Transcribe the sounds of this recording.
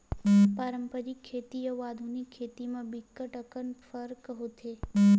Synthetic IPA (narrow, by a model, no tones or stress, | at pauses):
paɾəmpəɾikʰːet̪ijəʋad̪ʱunikʰːet̪imãbikːəʈəkənfəɾkəɦot̪ʰe